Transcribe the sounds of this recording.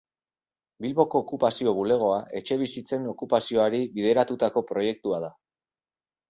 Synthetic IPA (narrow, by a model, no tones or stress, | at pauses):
bilβo̞ko̞ːkupasio̞β̞ule̞ɣ̞o̞aʔe̞t͡ʃe̞β̞isit͡se̞no̞kupasio̞aɾiβið̞e̞ɾat̪ut̪ako̞pɾo̞je̞k̚t̪uað̞a